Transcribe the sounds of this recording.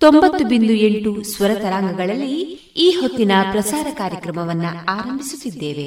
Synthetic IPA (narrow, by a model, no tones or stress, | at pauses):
t̪o̞mbɐt̪ːubind̪ue̞ɳʈusʋɐɾɐt̪ɐɾaːŋɡɐɡɐɭɐlːi | iːɦot̪ːinɐpɾɐsaːɾɐkaːɾjɐkɾɐmɐʋɐnːuaːɾɐmbʱisut̪ːid̪ːe̞ːʋe̞